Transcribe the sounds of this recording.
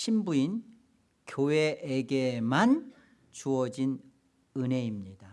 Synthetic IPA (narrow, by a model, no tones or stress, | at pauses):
ɕʰimbuin | kjoweːɡeman | t͡ɕuʌd͡ʑin | ɯne̞imɲid̥a